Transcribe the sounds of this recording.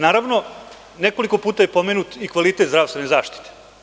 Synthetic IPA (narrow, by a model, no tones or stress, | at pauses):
naːɾaʋno̞ | neko̞liko̞puːt̪aje̞po̞meːnut̪ikʋalit̪et̪zd̪ɾaːst̪venezaːʃt̪i̥t̪e̥